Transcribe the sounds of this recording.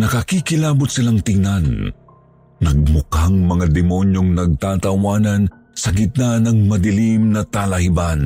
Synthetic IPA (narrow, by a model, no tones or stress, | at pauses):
nɐkɐkikɪlaːbʊt̪sɪlaŋt̪ɪŋnan | nɐɡ̚mʊkaŋmɐŋad̪ɛmonjoŋnɐɡ̚t̪aːt̪ɐwaːnɐn | sɐɡɪt̪̚nanɐŋmɐd̪ɪlimnɐt̪alɐhiban